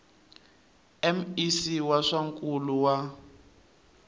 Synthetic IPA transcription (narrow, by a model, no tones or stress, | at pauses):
ɛm̩isiwaʂaŋkʼuluwa